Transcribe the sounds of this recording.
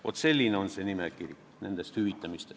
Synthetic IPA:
ʋo̰t̪selʲːineonsenimekirʲ | nænd̪æst̪hyʋit̪ːæmist̪

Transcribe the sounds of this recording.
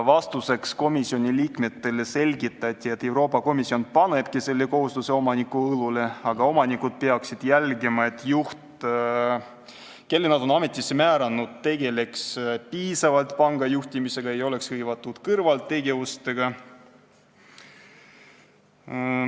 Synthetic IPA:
vɑst̪use̞ksko̞misio̞nʲiliːkme̞t̪ːe̞lese̞lʲɡit̪ːˑɑt̪ʲːˑie̞t̪ːe̞wɾo̞ːpːˑɑko̞misːio̞npɑne̞b̥̚kise̞lːe̞ko̞ɦust̪use̞o̞mɑnikːuɤlule̞ɑɡ̥ɑo̞mɑnikud̪̥̚pe̞ɑksid̪̥jælɡemɑe̞t̪ːˑjuht̪ | ke̞lːenɑd̪o̞nɑme̞t̪ʲːˑisːe̞mæːɾɑnːud̪̥̚t̪e̞ɡe̞le̞kspiːsɑvɑlt̪pɑŋɡ̥ɑjuht̪ʲimise̞ɡ̥ɑe̞jo̞le̞kshɤjvɑt̪ːˑud̪̥kɤrvɑlt̪ːe̞ɡe̞vust̪e̞ɡ̥ɑ

